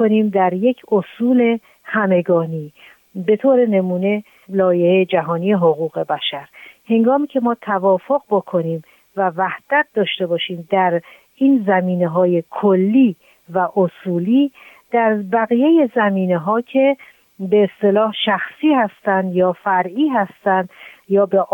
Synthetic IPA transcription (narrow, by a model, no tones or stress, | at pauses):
koniːmd̪æɾje̞cʰosuːle̞ | hæme̞ɡɒːniː | be̞t̪ʰoːɾe̞ne̞muːne̞ | lɒːjehed͡ʒæɦɒːnijeɦoɣuːɣe̞bæʃæɾhe̞ŋɡɒːmiːcʰe̞mɒːt̪ʰævɒːfo̞ɣbokʰo̞niːm | vævæhd̪̥æt̪̚d̪ɒːʃt̪e̞bɒːʃiːmd̪æɾ | iːnzæmiːneɦɒːje̞kʰolːiː | væʔosuːliː | d̪̥æɾbæɣije̞je̞zæmiːneɦɒːcʰe̞ | beːst̪e̞lɒːhʃæxsiːhæst̪ænd̪jɒːfæɾʔiːɦæst̪ænd̪jɒːbeʔ